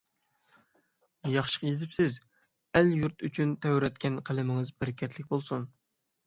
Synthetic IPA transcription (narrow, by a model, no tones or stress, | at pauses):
jɑχʃə̥qjezɪpsɪz | æljuɾt̪yt͡ʃʰynt̪ʰɛwɾɛt̪kʲʰɛnqʰəlɪmɪŋɨzbɪɾɪkʲʰɛt̪ʰlɪkʲbolˠsun